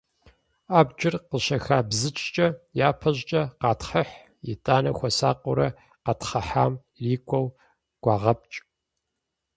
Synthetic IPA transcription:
aːbd͡ʒʼɪrqəɕɐxaːbzɨt͡ʃʼt͡ʃʼɐjaːpʰɐʑʼt͡ʃʼɐqɑːtχəħ | jḭtʼaːnɐxʷɔsaːqʷʼʊɾɐ | qɑtχɐħaːm | riːkʷʰʼɔw | ɡ̥ʷɑːʁɐp̚t͡ʃʼ

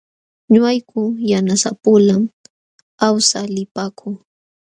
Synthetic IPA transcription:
ɲʊajkʰʊjanasa̰pʊlam | awsalɪpaːkʰʊŋ

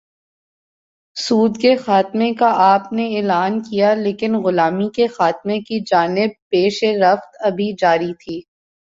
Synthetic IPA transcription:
suːd̪kexaːt̪mẽkaʔaːpneeːlaːnkijaleːkɪnɣʊlaːmikexaːt̪mẽkid͡ʒaːnɪb̚peːʃeɾɐft̪ɐbʱid͡ʒaːɾit̪ʰiː

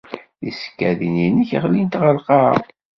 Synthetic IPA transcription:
ðiskːæðininəçəʁlint̪ʁəlqɑˤ

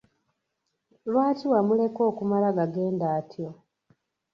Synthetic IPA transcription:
lwaːtiwamule̞ko̞ːkumalaɡaɡe̞ːndaːtʰjo̞

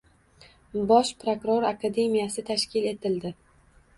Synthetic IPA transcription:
bɒʃpɾokɾo̞ɾakʰad̪e̞mijasɪt̪ʰaʃkʲɪle̞t̪ɪld̪ɪ

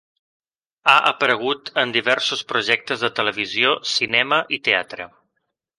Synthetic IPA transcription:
aʔə̰pəɾəɣ̞ut̪ənd̪iβɛɾsuspɾuʒɛk̚t̪əzðət̪ələβ̞iziosinɛməʔit̪ea̰t̪ɾə̰

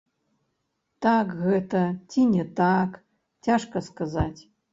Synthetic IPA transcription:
takɣətʰɐtʲʰinʲetak | tʰʲaʂkaskazatʲ

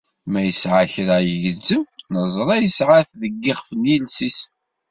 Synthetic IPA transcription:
mæjəsʕaçɾajʝəzːəmnəzˤɾˤɑjəsʕaθðəɡːɪχfənjilsis

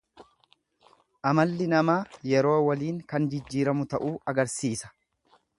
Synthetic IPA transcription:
ʔɐmɐlːɪnɐmaːjɛɾo̞ːwɐliːŋkɐnd͡ʒɪd͡ʒːiːɾɐmʊt̪ɐʔuːɐɡɐɾsiːsɐ̥

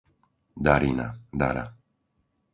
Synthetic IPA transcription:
d̪aɾinad̪a̰ɾa̰

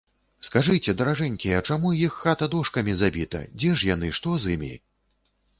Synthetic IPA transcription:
skaʐɨt͡sʲɛd̪ɐɾaʐɛnʲkʲijɐt͡ʂamujixːat̪ɐd̪ɔʂkɐmʲizabʲit̪ɐ̰d͡zʲɛʂjanɨʂt̪ɔzɨmʲḭ

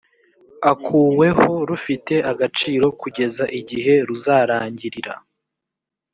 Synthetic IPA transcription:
akʰuːwe̞ho̞ɾufite̞ʔaɡat͡ʃiːɾo̞kuɟe̞zaʔiɟiɦe̞ɾuzaɾaːɲɟiɾiɾa̰

